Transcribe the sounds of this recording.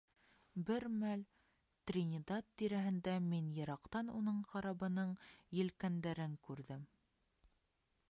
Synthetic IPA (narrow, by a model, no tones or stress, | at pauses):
bɘɾmæl | t̪rʲɪnʲɪd̪ɑt̪ːiɾæɦɘ̆nd̪æminjɤ̆ɾɑqt̪ɑnunɤɴqɑɾɑbɤ̆nɤɴjɘ̆lkænd̪æɾɘŋkʉɾðɘm